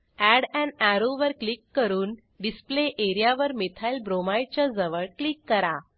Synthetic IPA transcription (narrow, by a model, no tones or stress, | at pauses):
æɽɛ̃ɳɖæɾoʋəɾklikːəɾuːn | ɖispleʔeɾijaʋəɾmet̪ʰajlbɾomajt͡ɕjad͡zəʋəɭklikːəɾa